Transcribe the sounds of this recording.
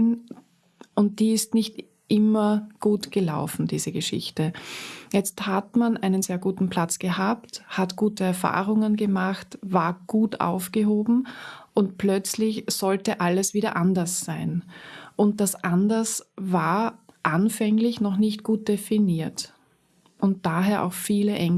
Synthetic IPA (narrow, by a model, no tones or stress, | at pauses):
n | ʊnt̚d̥iːɪstnɪçt | ʔɪmɐɡ̥uːtɡ̥əla̰ʊfn̩d̥iːzəɡəʃɪ̰çtəjɛt͡sthatmanʔaɪnənz̥eːɐɡuːtn̩pl̥at͡sɡ̥əhaːpthatɡ̥uːtəɛɐfa̰ːʁʊŋənɡəmaχtvaːɐɡ̥uːta̰ʊfɡ̥əɦoːbm̩ʔʊntplœt͡slɪçz̥ɔltəʔaləsv̥iːɾɐ̰ʔandɐsz̥aɪnʔʊnt̚d̥asʔandɐsvaːɐ | ʔanfɛŋlɪçnɔχnɪçt̚ɡ̥uːt̚d̥efiniːɐt | ʔʊnt̚d̥aːɦeːɐʔa̰ʊxfiːləʔɛŋ